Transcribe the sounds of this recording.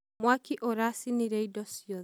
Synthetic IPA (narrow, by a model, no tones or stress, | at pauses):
mwakiʔoɾasiniɾeidɔsiɔ